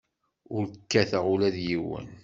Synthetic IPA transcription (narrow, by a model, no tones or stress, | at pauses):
ʊɾkːæθəʁulæðjiwə̰n